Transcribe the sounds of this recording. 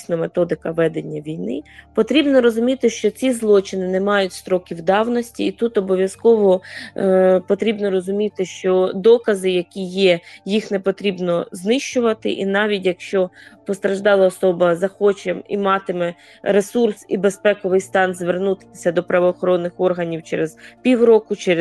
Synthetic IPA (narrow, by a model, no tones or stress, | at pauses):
sʲnɐmet̪ɔd̪ɪkɐʋɛd̪enʲːɐʋʲijnɪ̰pɔt̪ɾʲibnɔɾɔzʊmʲit̪ɪʃt͡ʃɔt͡sʲizlˠɔt͡ʃɪnɪnemɑjʊtʲst̪ɾɔkʲiwd̪ɑwnɔsʲtʲiːt̪ut̪ɔbɔʋʲjɐskɔʋɔ | pɔt̪ɾʲibnɔɾɔzʊmʲit̪ɪʃt͡ʃɔd̪ɔkɐzɪjɐkʲijɛjixnepɔt̪ɾʲibnɔznɪʃt͡ʃʊʋɐt̪ɪ̰ʔinɑʋʲitʲjɐkʃt͡ʃɔpɔst̪ɾɐʒd̪ɑlˠɐɔsɔbɐzɐxɔt͡ʃɛmḭmɑt̪ɪmɛ | ɾesursibespɛkɔʋɪjst̪ɑnzʋernut̪ɪɪsʲɐd̪ɔpɾɐʋɔːxɔɾɔnːɪxɔrɦɐnʲiwt͡ʃɛɾezpʲiwɾɔkʊt͡ʃɛɾ